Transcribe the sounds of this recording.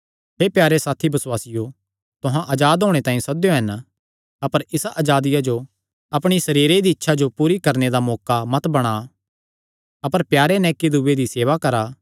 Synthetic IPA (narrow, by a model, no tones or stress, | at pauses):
ɦeːpjaːɾesaːt̪ʰibɐswaːsɪjo | t̪ʊɦãʔɐd͡ʒaːd̪ɦoːɽ̃et̪ãːĩsɐd̪joɦɐn | ɐpəɾɪsaʔaːd͡ʒaːd̪ɪjad͡ʒo | ɐpɽ̃isɐɾiːɾed̪iɪtːʃʰad͡ʒopuːɾikɐɾned̪amɔːkamɐt̪bɐɽ̃a | ɐpəɾpjaːɾenɛːkid̪uːed̪iseːʋakɐɾaː